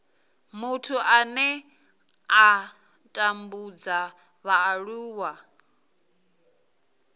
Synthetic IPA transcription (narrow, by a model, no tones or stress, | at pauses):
mutʰuʔanɛ | a | tʼambud͡za | βaːɺuːwa